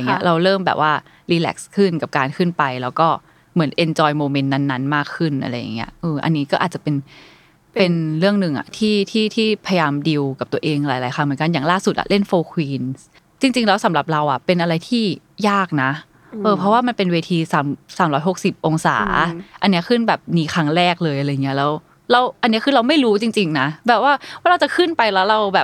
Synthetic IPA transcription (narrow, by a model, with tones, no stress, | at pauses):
ŋːi˦˥ɐ̰˧ʔɾa˧wɾɤː˥˩mbɛ̰ː˨˩p̚waː˥˩ | liː˧lɛ̰ː˦˥k̚skʰɯ˥˩nka˨˩p̚kaː˧nkʰɯ˥˩npa˧jlɛː˦˥wkɔː˥˩ | mɯ˩˦ənʔe˧nt͡ɕɔː˧jmoː˧me˧nːa˦˥nːa˦˥nmaː˥˩kʰːɯ˥˩nʔa̰˧ɾa˧jːa˨˩ŋːi˦˥ɐʔɤː˧ʔa̰˧nːiː˦˥kɔː˥˩ʔa˨˩t̚t͡ɕa˨˩pe˧n | pe˧nɾɯ˥˩əŋnɯ˨˩ŋʔa̰˨˩t̪ʰiː˥˩t̪ʰiː˥˩t̪ʰiː˥˩pʰa˧ja˧jaː˧mdi˧wka˨˩p̚t̪u˧əʔeː˧ŋlaː˨˩˦jlaː˨˦jxʰaː˧˥ŋmɯ˩˦nka˧njaː˨˩ŋlaː˥˩su˨˩t̪̚ʔa̰˨˩le˥˩nfoː˧kʰwiː˧ns | t͡ɕi˧ŋt͡ɕi˧ŋlɛː˦˥wsa˨˩˦mɾa˨˩p̚ɾa˧wʔa˨˩pe˧nʔa˧ɾa˧jt̪ʰiː˥˩jaː˥˩k̚na˦˥ | ʔɤː˧pʰɾɔ˦˥waː˥˩ma˧npe˧nweː˧t̪ʰiː˧saː˩˦msaː˩˦mɾɔː˦˥jɦo˨˩k̚si˨˩p̚ʔo˧ŋsa̰ː˩˦ʔa˧nːi˦˥ɐkʰɯ˥˩nbɛː˨˩p̚niː˧xʰa˦˥ŋɾɛː˥˩k̚lɤː˧jʔa˧ɾa˧jŋːi˦˥ɐ˧lɛː˦˥w | ɾa˧wʔa˧nːi˦˥kʰɯː˧ɾa˧wma˥˩jɾuː˦˥t͡ɕi˧ŋt͡ɕi˧ŋna˦˥bɛː˨˩p̚waː˥˩waː˥˩ɾa˧wt͡ɕa˨˩kʰɯ˥˩npa˧jlɛː˦˥wɾa˧wbɛː˨˩p̚